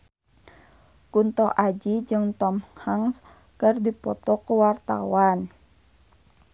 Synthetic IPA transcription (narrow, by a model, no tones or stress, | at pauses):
kunt̪ɔʔad͡ʒid͡ʒɨŋt̪ɔmhaŋs | kərdipɔt̪ɔkəwart̪a̰wan